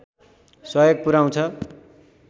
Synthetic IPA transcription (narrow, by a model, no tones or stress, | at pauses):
sʌjoɡ̚puɾaw̃t͡sʰʌ